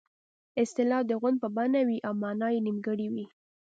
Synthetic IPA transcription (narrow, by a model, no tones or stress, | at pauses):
ɪst̪ɪlɑfd̪əɣwand̪̚pəbanawiʔawmɑnɑjenimɡəɽiwi